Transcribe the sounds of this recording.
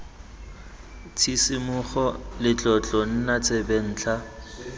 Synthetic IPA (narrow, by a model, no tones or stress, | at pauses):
t͡sʰisimʊχɔlɪt͡ɬʼɔt͡ɬʼɔn̩nat͡sʼeben̩ːt͡ɬʰa